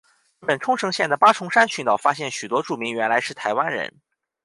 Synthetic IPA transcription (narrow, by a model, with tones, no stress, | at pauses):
ɻ̩˥˩pə˨˩nʈ͡ʂʰʊ˥ŋʂɤ˧˥ŋɕjɛ˥˩nd̪ə˩pa˥ʈ͡ʂʰʊ˧˥ŋʂa˥nt͡ɕʰy˧˥ŋt̪ɑ˨˩ʊfa˥ɕjɛ˥˩nɕy˨˩t̪wɔ˥ʈ͡ʂu˥˩mi˧˥ŋɥɛ˧˥nla˧˥ɪʂɻ̩˥˩t̪ʰa˧˥ɪwa˥nɻə̰˧˥n